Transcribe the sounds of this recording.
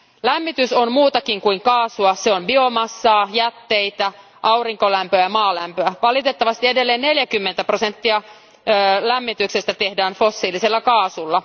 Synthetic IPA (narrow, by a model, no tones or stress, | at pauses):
læmːit̪ysommuːt̪ɑkiŋkuiŋkɑːsuɑseombio̞mɑsːɑːjæt̪ːe̞it̪æ | ʔɑwriŋko̞læmpøæjɑmɑːlæmpøæʋɑlit̪e̞t̪ːɑʋɑst̪iede̞lːeːnne̞ljækymːent̪æpro̞se̞nt̪ːiɑː | læmːit̪ykse̞st̪æt̪e̞hdæːnfosːiːlise̞lːɑkɑːsulːɑ